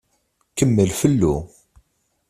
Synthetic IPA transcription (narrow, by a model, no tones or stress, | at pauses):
kəmːəlfəlːu